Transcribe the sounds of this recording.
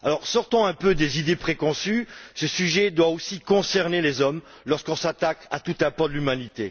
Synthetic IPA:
alɔʁsɔʁt̪ɑ̃ɛ̃pød̪ezid̪epχekɔ̃sysəsyʒɛd̪waosikɔ̃sɛʁnelezɔm | lɔʁskɔ̃sat̪aka̰t̪ut̪ɛ̃pɔʁd̪əlymanit̪e

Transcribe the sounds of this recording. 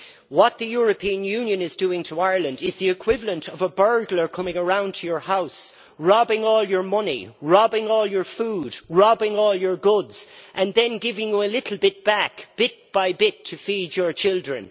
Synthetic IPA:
wɒt̪̚ðəjʊɹəpʰĩə̃njʉ̃njə̃nɪzduːɪ̃ŋtʰəaɪəɹlə̃ndɪzðiɪkʰw̥ɪvələ̃ntʰʌvəbɜ˞ɡlə˞kʰʌ̃mɪ̃ŋəɹãʊ̃ntʰəjə˞haʊs | ɹɑbɪ̃ŋɔːljə˞mʌnḭɹɑbɪ̃ŋɔːlˠjə˞fuːdɹɑbɪ̃ŋɔːlˠjə˞ɡʊdz̥ʔə̃nðɨ̃nɡɪvɪ̃ŋjəəlɪɾʰl̩ˠbɪt̚b̥ækb̥ɪt̚b̥aɪbɪtʰəfid͡ʒə˞t͡ʃʰɪlˠdɹə̰̃n

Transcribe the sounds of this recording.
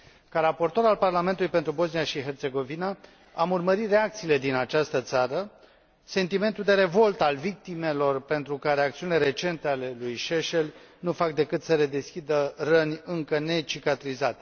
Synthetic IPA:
kaɾapo̞rt̪o̞ɾalparlament̪ulujpet̪ɾubo̞znijaʃiɦe̞rt̪se̞ɡo̞vina | amurməɾit̪re̞akt̪siːle̞d̪inat͡ʃast̪ət̪saɾə | se̞nt̪ime̞nt̪uld̪e̞ɾe̞vo̞lt̪əalvik̚t̪ime̞lo̞rpe̞nt̪ɾukaɾe̞akt̪siunile̞ɾe̞t͡ʃe̞nt̪e̞ale̞lujʃeʃelnufak̚d̪e̞kɨt̪səle̞d̪e̞skʲid̪ərənʲɨŋkəne̞t͡ʃikat̪ɾizat̪

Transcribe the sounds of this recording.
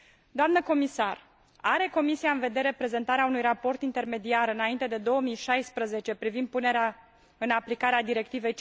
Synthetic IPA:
d̪oamnəko̞misar | aɾe̞ko̞misiaɨnve̞d̪e̞ɾe̞pɾe̞ze̞nt̪aɾeaunujrapo̞rt̪int̪e̞rme̞d̪iaɾɨnaint̪e̞d̪e̞d̪o̞əmiʃajspɾəze̞t͡ʃe̞pɾivind̪̚pune̞ɾea | ɨnaplikaɾead̪iɾe̞k̚t̪ive̞jt͡ʃ

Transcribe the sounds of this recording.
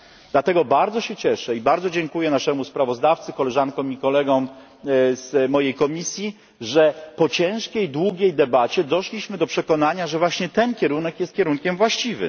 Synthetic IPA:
d̪lat̪ɛɡɔbaɾd̪zɔɕɛt͡ɕɛʂɛibaɾd̪ɔd͡ʑɛŋkujɛnaʂɛmuspɾavɔzd̪aft̪sɘkɔlɛʐankɔ̃mikɔlɛɡɔm | z̥mɔjejkɔmʲisʲji | ʐɛpɔt͡ɕɛ̃w̃ʂkʲɛjd̪wuɡʲɛjd̪ɛbat͡ɕɛd̪ɔʂlʲiɕmɘd̪ɔpʂɛkɔnaɲaʐɛvwaɕɲɛt̪ɛnkʲɛɾunɛkjɛst̪̚kʲɛɾunkʲɛmvwaɕt͡ɕivɘ̰

